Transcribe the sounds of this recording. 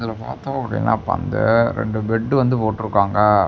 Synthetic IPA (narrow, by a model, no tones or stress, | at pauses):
ðɪlɐpaːɾt̪õːɐpɽɪ̰lːa̰ːpɐ̰nd̪ɯ̰ɾɛ̰ɳɖɯbɛɖːɯʋɐnd̪ɯpoːʈːɯɾɯkːaːŋɡɐ